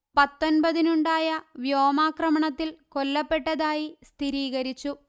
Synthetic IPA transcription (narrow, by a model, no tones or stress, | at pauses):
pɐt̪ːo̞nbɐðinuɳɖaːjɐʋjo̞ːmaːkrɐmɐɳɐt̪ːilko̞lːɐpːe̞ʈːɐðaːjist̪ʰiɾiːɣɐɾit͡ɕːu